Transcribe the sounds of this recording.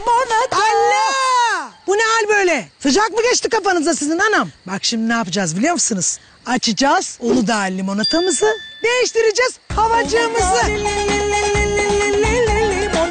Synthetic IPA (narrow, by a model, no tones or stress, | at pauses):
alʲːɛ | b̥unɛalʲbø̞jlʲɛsɯd͡ʒak̚mɯɡʲet͡ʃt̪ikʰafanɯzd̪asizinanambakʃimnaːpɯd͡ʒaːzbilʲijomsɯnɯz̥ | at͡ʃʰɯd͡ʒaːz̥onud̪aːlʲːimonat̪ʰamɯzɯd̪e̞jiʃt̪iɾid͡ʒɛz̥havad͡ʒɯmɯzɯ